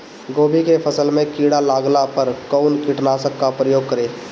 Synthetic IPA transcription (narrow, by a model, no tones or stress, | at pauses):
ɡoːbʱikepʰəsəlmẽkiːɽalaːɡlapəɾkɔːnkiʈnaːsəkːapɾəjoːɡ̚kəɾeː